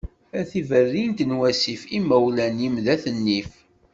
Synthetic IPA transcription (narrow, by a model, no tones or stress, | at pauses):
æθivərːint̪ənwæsifimæwlænjimðæθənːif